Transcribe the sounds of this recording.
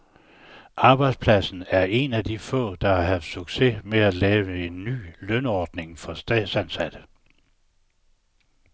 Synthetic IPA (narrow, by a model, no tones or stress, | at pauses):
ʔɑ̈ːb̥ɑ̈ɪd̥spʰlæsn̩æɐʔe̝næd̥ifɔ̰̽ːd̥ɑ̈ɑɦæfd̥syɡ̥se̝meælɛːʊəe̝nːy̰ːlœnɒːd̥ne̝ŋfɒ̽sd̥ɛ̰̥sænsæd̥ə̥